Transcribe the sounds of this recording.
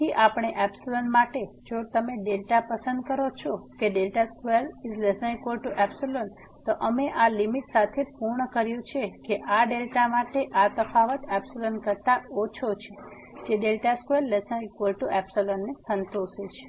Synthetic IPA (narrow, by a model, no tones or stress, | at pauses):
iʔapɳ̃eʔɛpsilənmaʈed͡ʒot̪əmeɖelʈapəsə̃nd̪̚kəɾot͡ʃʰokeɖelʈaskueɾizlesə̃ekwəlʈuʔɛpsilən | t̪oʔəmeʔalimiʈsat̪ʰepuɾɳəkəɾjũt͡ʃʰekeʔaɖelʈamaʈeʔat̪əfʰaʋət̪ɛpsilənkəɾt̪aot͡ʃʰot͡ʃʰe | d͡ʒeɖelʈaskwəɾːesənekwəlʈuʔɛpsolənːesənt̪oʃet͡ʃʰe̥